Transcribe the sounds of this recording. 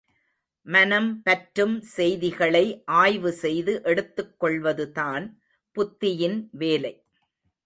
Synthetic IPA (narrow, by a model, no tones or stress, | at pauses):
mɐnɐmpɐʈɾɯmsɛjðɪɣɐɭɐɪʔaːjʋɯsɛjðɯʔɛɽɯt̪ːɯkːɔɭʋɐðɯðaːn | pʊt̪ːɪjɪnʋeːlɐɪ